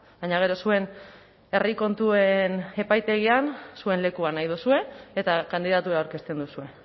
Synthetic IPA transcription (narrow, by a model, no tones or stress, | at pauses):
baɲaɣ̞e̞ɾo̞sue̞n | e̞riko̞nt̪ue̞ne̞pajt̪e̞ɣiansue̞nle̞kuanajðusue̞ːt̪akand̪iðat̪ueɾawɾke̞st̪e̞nd̪usue̞